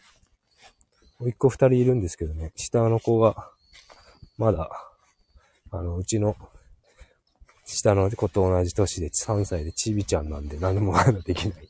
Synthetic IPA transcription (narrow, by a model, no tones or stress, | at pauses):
moikːo̞ɸɯ̟t̪aɾʲiːɾɯ̟̃nd̪e̞sɨ̥ke̞d̪o̞ne̞ɕi̥t̪ano̞ko̞ɡa | mad̪a | ano̞ɯ̟t͡ɕino̞ | ɕi̥t̪ano̞ko̞t̪o̞ːnaʑit̪o̞ɕid̪e̞ɨ̥hãɰ̃said̪e̞t͡ɕibʲit͡ɕãnːãnd̪e̞nãnːomomad̪ad̪e̞kʲinai